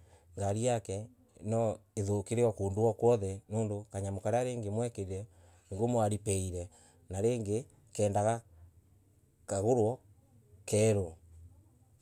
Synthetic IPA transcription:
ŋɡaɾiakɛ | nɔeðokeɾeɔkoːnduɔkwɔðɛnoːndokaɲamokaɾeaɾeːŋɡemwɛkeɾiɾɛ | ŋɡomwaɾipɛiɾɛ | naɾeːŋɡe | kɛːndaɣa | kaɣoɾwɔ | kɛːɾo

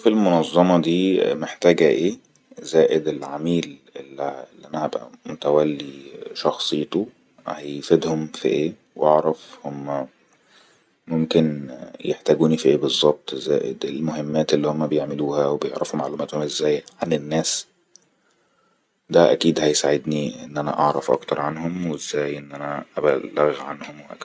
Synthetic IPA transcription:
filmonɑzˤːɑmɑd̪iːmeħt̪æːɡæʔeː | zæːʔed̪elʕamiːlelːlːiʔænæhæbʔæ̰mot̪æwælːiʃɑxsˤejt̪o | hæjfed̪homfḭʔeː | wʔɑʕɾˤɑfhomːæ | momkenjeħt̪æːɡuːnifiʔeːbezˤːɑb̚t̪ˤʔezːæ̰ːʔed̪elmoɦemːæːt̪elːihomːæbejeʕmeluːhæwebejeʕɾʔɑfumaʕluːmæːt̪homʔezːæːjʕanenːæːs | d̪æʔæ̰kiːd̪hæjsaʕed̪niʔenːʔænæ̰ʔɑʕɾˤɑfʔɑ̰kt̪ɑɾˤʕanhomwezːæːjʔenːʔænæʔæbælːæɣʕanhomweʔæ̰k

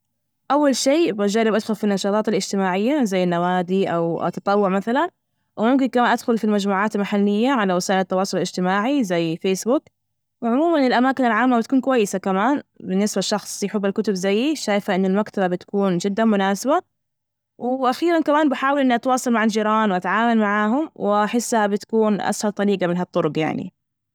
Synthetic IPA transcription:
ʔawːalʃeːbʔad͡ʒaːɾɪbʔad̪xʊlfinːɑʃɑːt̪ˤɑːt̪ɪlʔɪd͡ʒt̪ɪmaːʕɪjːazajːɪnːawaːd̪iʔa̰wʔa̰t̪ːɑt̪ˤɑwːʊʕmaθalan | wɪmʊmkɪnkamaːnʔad̪xʊlfilmad͡ʒmuːʕaːt̪ɪlmaħalːɪjːaʕalawɪsaːʔɪlɪt̪ːɑwɑːsˤʊllɪd͡ʒt̪ɪmaːʕizajːfeːsbʊk | wɪʕʊmuːmaʔnɪlʔamaːkɪnɪlʕaːmːabɪt̪̚kuːnkwajːɪsakamaːnbɪnːɪsbaʃːɑxsˤjɪħɪbːalkʊt̪ʊbzajːiʃaːjfaʔɪnːɪlmakt̪ababɪt̪ḁkuːnd͡ʒɪd̪ːanmʊnaːsaba | wɪʔaxiːɾankamaːnbɪħaːwɪlʔɪnːiʔat̪wɑːsˤɑlmaʕald͡ʒiːɾɑːnwʔat̪ʕaːmalmaʕaːɦʊmwɪʔaħɪsːhabɪt̪ḁkuːnʔa̰shɑlt̪ˤɑɾiːɡɑmɪnɦɑt̪ˤːʊɾʊqja̰ʕnḭ

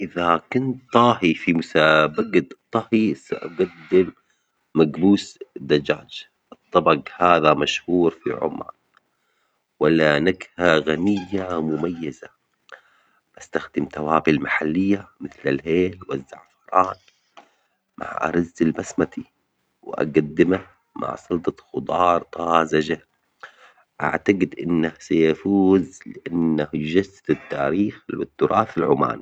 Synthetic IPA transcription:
ʔɪðakʊnt̪ːˤɑːɦifimʊsabaɡad̪t̪ˤːɑhisaʔɡad̪ːɪmː | aɡbuːsd̪ːad͡ʒa̰ːd͡ʒ | ʔɨt̪ˤːɑbɑɡhaːðamaʃhuːɾfḭʕʊ̰ma̰ːn | walːanaɡhaɣanɪjːamʊmajːaza | bast̪axd̪ɪmt̪awaːbɪlmaħalːɪjːamɪθlalɦeːlwazːa̰ʕfɑɾˤɑːn | mʔa̰ʕʔa̰ɾˤɑzːalbasmat̪i | wʔa̰ɡad̪ːɪmah | mʔa̰ʕsˤʊlt̪ˤɑxʊd̪ˤɑːɾˤt̪ˤɑːzad͡ʒa | ʔa̰ʕt̪aɡɪd̪ʔɪnːahsajafuːzlɪʔanːahd͡ʒast̪ɪt̪ːaːɾiːxlwɪt̪ːʊɾʔɑːθalʕʊma̰ːni

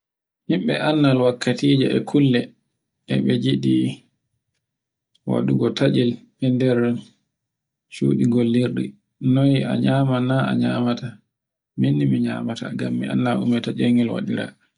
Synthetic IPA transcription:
himɓɛʔanːalwakːatiːd͡ʒɛʔɛkʰulːɛ | ʔɛ̰ɓɛd͡ʒiɗi | wa̰ɗuɡɔtʰad͡ʒil | ɛndɛɾ | sṵːɗiɡolːiɾɗḭ | nɔja̰ɲaːmanaa̰ɲaːmata | minːimiɲa̰ːmata̰ŋɡamːia̰nːaʔumɛtad͡ʒeŋilwa̰ɗiɾa̰

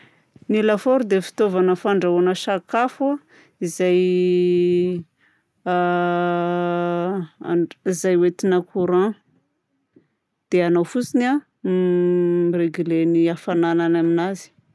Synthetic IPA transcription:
nilafoɾud̪efi̥t̪ovanəfaɳɖ͡ʐaonəʃakafu | izaj | izajwet̪inəkʰuɾã | d̪̥eanowfut͡sina | mreɡyleniafanananaminazi̥

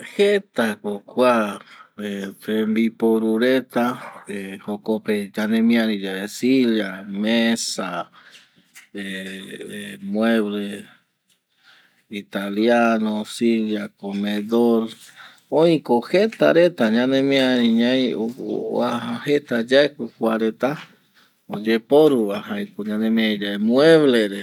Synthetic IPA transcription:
het̪akokʷa | et̪embipoɾuɾet̪aehokoped͡ʒanẽmĩãɾĩd͡ʒaesiljamesa | e | mweβle | it̪aljanosiljakomeðoɾ | õĩkohet̪a̰ɾet̪aɲãnẽmĩaɾĩɲajo̰aahet̪ad͡ʒaekʷekwaɾet̪a | od͡ʒepoɾuβahajkoɲãnemĩãĩd͡ʒaemw̃eβleɾe

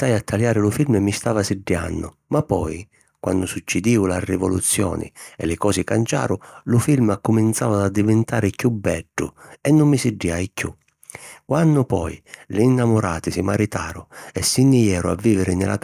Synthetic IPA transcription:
t̪ajat̪ʰːaljaːɾɪlʊfilmɛmːist̪aːvasɪɖːja̰nːʊ̰ | mapːɔj | kwa̰nːʊsut͡ʃːɪd̪iːʊlarːɪvɔlut̪sːjɔ̰ːnɪ̰ɛ̰lɪkɔːsɪkant͡ʃa̰ːɾʊlʊfilmakːʊmint̪sa̰ːvad̪ad̪ːivɛnt̪aːɾɪkjubːɛɖːʊ̰ɛnːʊmːisɪɖːiajkːṵ | kwanːʊpɔ̰jlɪːnːamʊɾaːt̪ɪsɪmaɾit̪aːɾʊɛsːinːɪjɛːɾʊa̰vːiːvɪɾɪnɪla̰

